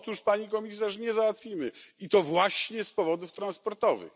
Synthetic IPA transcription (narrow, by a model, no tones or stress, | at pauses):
t̪uʂpaɲikɔmʲis̬aʂɲɛzawat̪fʲimɘit̪ɔvwaɕɲɛspɔvɔd̪uft̪ɾãnspɔɾt̪ɔvɘ̰x